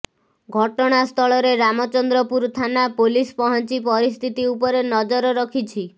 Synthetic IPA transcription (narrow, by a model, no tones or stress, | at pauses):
ɡʱɔʈɔɽ̃ast̪ʰɔɭɔɾeɾamɔt͡ʃɔnd̪ɾɔpuɾt̪ʰanapolispɔɦɔnt͡ʃipɔɾist̪ʰit̪iupɔɾenɔd͡ʒɔɾɔɾɔkʰit͡ʃʰi